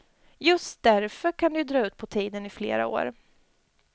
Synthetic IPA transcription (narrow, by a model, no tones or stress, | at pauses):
jɵst̪̚d̪æɾfœɾkʰand̪ɛjɵd̪ɾɑːʉ̟ːt̪̚pʰɔt̪ʰiːd̪ənɪflḛːɾa̰o̰ːɾ